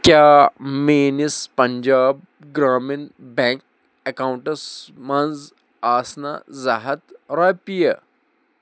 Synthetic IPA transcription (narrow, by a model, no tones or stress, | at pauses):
kjaːmeːnispɐɲd͡ʒaːb̚ | ɡɾaːminbɛ̃ŋk̚ | ɛkaːwɳʈɐsmanz | aːsna̰zaɦɐt̪ɾapijɐ